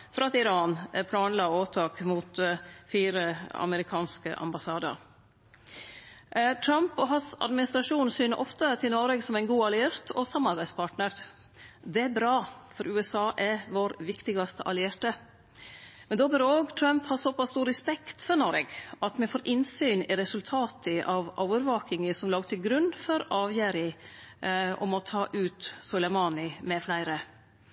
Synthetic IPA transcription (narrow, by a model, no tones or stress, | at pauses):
fɾɑɑt̪ɪɾɑːnpʰlɑːnlɑːoːt̪ʰɑːkmut̪fiːɾəɑ̰məɾɪkʰɑːnskə̰ʔɑ̰mbɑsɑːd̪ə̰ɾ | t̪ʰɾɑmpɔɦɑnsɑ̰d̪mɪnɪst̪ɾɑʂuːnsyːnəʔɔft̪ət̪ʰɪlnɔɾəɡsɔmæɪnɡuːɑlɪeːɾt̪ʰɔsɑmɑɾbæɪd̪spʰɑʈnəɾ | d̪ɛæɾbɾɑːfɔɾʉːɛsɑːʔæɾʋoɾʋɪkt̪ɪɡɑst̪əʔɑ̰lɪeːɾʈə | mɛnd̪oːbɪɾoːɡt̪ʰɾœmphɑɾsɔpɑst̪uːɾɛspɛkt̪fɔɾnɔɾɛɡɑt̪mɛfoːɾʔɪnsyːnɪɾɛsʉlt̪ʰɑːt̪ʰəʔɑʋʔoːəɾʋɑːkɪŋəsɔmlɑːɡt̪ʰəɡɾʉnːfɔɾɑːʋjøːɾɪ | ʔɔ̰mɔt̪ʰɑːʔʉːt̪sʊlɛmɑːnɪmɛflæɪɾə